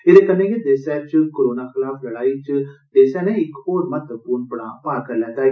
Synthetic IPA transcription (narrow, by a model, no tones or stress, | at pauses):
ɪɾekənːẽɡed̪eːsɛːt͡ʃkoːɾoːnaːxɪlaːfʰləɽaːit͡ʃd̪eːsɛːnẽɪkhoːɾmət̪əpuːɾɳpəɽaːpaːkəɾlɛːt̪aː